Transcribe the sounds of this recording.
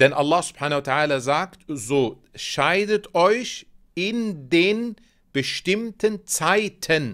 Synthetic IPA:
d̥ɛnʔalːaːsʊ̥bħaːnaotʰaʔaːlɐzaːktzoː | ʃaɪdətʔɔʏç | ɪndeːn | b̥əʃtɪmtənt͡saɪtʰən

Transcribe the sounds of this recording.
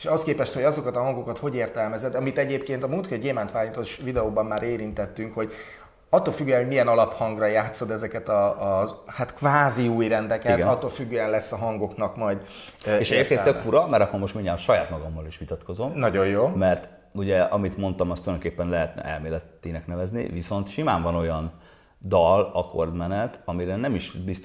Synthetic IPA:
eʃɒɦoskeːpɛʃt̪ho̞ɟɒzo̞kɒt̪ɒɦɒŋɡokɒt̪ho̞ɟeːrt̪ɛlmɛzɛd̪ɒmit̪ɛɟeːpkeːnt̪ɒmult̪køɟɟeːmant̪ʋaːjint̪oʃvid̪ɛoːbɒmːaːɾeːɾint̪ɛt̪ːyŋkho̞ɟ | ɒt̪ːolfyɡːyjɛnɦo̞ɟmijɛnɒlɒphɒŋɡrɒjaːt̪so̞d̪ɛzɛkɛt̪ɒː | hat̪kvaːziuːjrɛnd̪ɛkɛtɡɛɒt̪ːoːlfyɡːøjɛnlɛsːɒɦɒŋɡo̞knɒkmɒjd̪ | eːʃɛeːpkeːnt̪økfuɾɒmɛɾɒkːomo̞ʃt̪miɲːaːʃɒjaːt̪mɒɡɒmːɒliʃʋit̪ɒt̪kozo̞mnɒɟo̞jjoːmɛrt̪ | uɟɛɒmit̪mo̞nt̪ɒmɒst̪ujd̪okeːpːɛnlɛɦɛt̪nɛ̰ʔɛ̰lmeːlɛt̪ːinɛknɛvɛznḭviso̞nt̪ʃimaːɱvɒno̞jɒn | d̪ɒlɒko̞̰rd̪mɛnɛt̪ɒmiɾɛnɛmiʃbis

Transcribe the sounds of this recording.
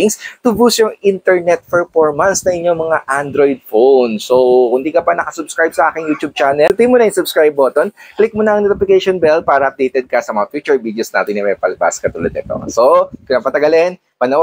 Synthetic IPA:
ɪŋst̪ʊbusjʊŋɪnt̪ɛɹnɛt̪̚pɛɹfoɹmɐnsnɐŋʔɪɲɲo̞ŋmɐŋaʔand̪ɾojd̪̚fownsokʊnd̪iːkɐpɐnɐkɐsʊbskɹajb̚sɐʔaːkɪŋjuːt̪ub̚t͡ʃaːnɛlt̪imʊnɐisʊbskɹajbot̪onklɪk̚mʊnɐʔɐŋnot̪ɪfɪkɛʃonbɛl̚paːɾɐʔɐp̚d̪ejt̪ɛd̪̚kɐsɐmɐŋafjuːt͡ʃʊɹbiːd̪eosna̰ːt̪ɪnɐmɛpɐlɐba̰skɐt̪ʊlɛd̪ɛ̰t̪o̰sopɪnapɐt̪ɐɡɐlɛn | pɐnɐ

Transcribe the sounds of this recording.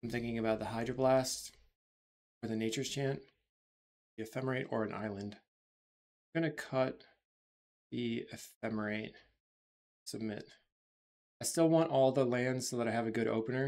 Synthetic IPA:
ɪ̃mθɪ̃ŋkɪ̃ŋɨbaʊt̪̚ðəɦaɪdɹə˞blæst | ə˞ðɨneɪt͡ʃə̥˞t͡ʃʰæ̃nt | ðiɨfɛmə˞eɪɾə̰˞ɨ̃nʔa̰ɪlˠɨ̃nd̥ | ɡʌñɨkʰʌt̪̚ | ðiɨfɛmə˞eɪt̚ | sɨb̚mɪ̰t̚ | aɪstɪlˠwɑ̃ntʔɔlˠðəlæ̃ndz̥soʊðəɾaɪɨvɨɡʊɾʔo̰ʊpɨnə˞

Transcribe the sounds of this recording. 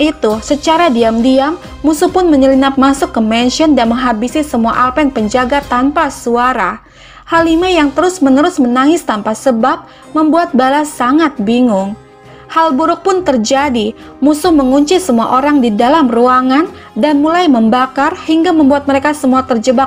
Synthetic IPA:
ʔit̪usət͡ʃaɾadiamdiamː | usʊhpʊnməɲəlinap̚masʊkːəmɛnʃiɔndanməŋɦabisisəmuaʔalpɛnpəɲd͡ʒaɡat̪ampasuaɾa | halimajaŋt̪əɾʊsmənəɾʊsmənaŋɪst̪ampasəbap̚ | məmbuat̪̚balasaŋat̪̚biŋʊŋ | halbuɾʊk̚pʊnt̪ərd͡ʒadi | musʊhməŋuɲt͡ʃisəmua̰ʔoɾaŋdidalamruaŋan | danmulajməmbakarhiŋɡaməmbuat̪̚məɾekasəmuat̪ərd͡ʒəba

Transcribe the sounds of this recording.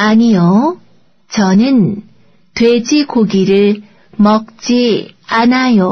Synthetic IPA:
aɲijo | t͡ɕʌnɯn | twed͡ʑikoɡiɾɯɭ | mʌk̚t͡ɕ͈ianajo

